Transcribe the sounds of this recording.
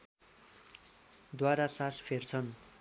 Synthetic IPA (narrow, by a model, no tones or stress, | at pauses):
d̪waɾasaspʰert͡sʰʌn